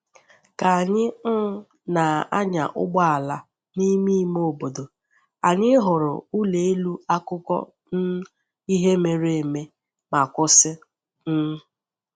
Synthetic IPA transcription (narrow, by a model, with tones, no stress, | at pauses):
ka˨a˨ɲɪ˦ŋ̩˦ | na˨a̰˦ɲa̰˨ʔʊ̰˦ɡ͡ba˦a˨la˨ | ni˦mi˦mo˦˨bo˨do˨ | a˨ɲɪ˦ɦʊ˨ɾʊ̰˨u˦le˨e˦lu˦a˦kʊ˦kɔ̰˦ | n̩˦ | i˦ɦe˦me˨ɾe˨e˨me˦ | ma˨kʊ˦sɪ˦ | n̩˦